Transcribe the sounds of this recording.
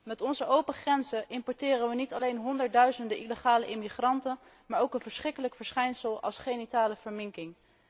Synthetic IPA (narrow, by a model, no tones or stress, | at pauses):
mɛtɔnzəʔowpəχrɛnzəʔɪmpɔɹtɪːrənʋənitɑlejnɦɔndəɹd̚dœɥzəndəʔiləχaːləʔɪmiχrɑntən | maːɹowkənvəɹsχrɪkələkfəɹsχɛjnsəlˠɑ̰lˠsχenitaːləv̥əɹmɪŋkɪŋ